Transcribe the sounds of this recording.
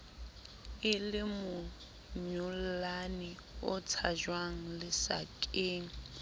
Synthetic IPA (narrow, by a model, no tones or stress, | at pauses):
ɪlɪmʊ | ɲʊllanɪ | ʊt͡sʰad͡ʒwaŋ̩lɪsa̰kʼeːŋ̩